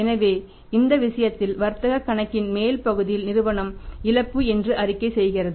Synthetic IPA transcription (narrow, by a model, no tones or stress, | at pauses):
ɛnɐʋeː | ɪnd̪ɐʋɪʂɐjɐt̪ːɪlʋɐɾt̪ɐɣɐkːɐɳɐkːɪnmeːlpɐɣɯðɪjɪlnɪɾɯʋɐɳɐmɪlɐpːɯɛndrɯʔɐrɪkːɐɪsɛjɣɪrɐðɯ